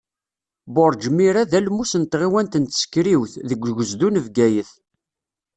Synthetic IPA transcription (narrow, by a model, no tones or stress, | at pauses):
boɾˤd͡ʒmiɾaðælmusənt̪ʁiwænt̪ənt̪sə̥kːɾiwθðəɡʷːɡəzd̪unəvɡæjəθ